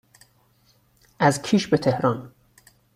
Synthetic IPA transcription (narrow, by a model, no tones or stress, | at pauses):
ʔæzkʰiːʃbet̪ʰe̞hɾɒn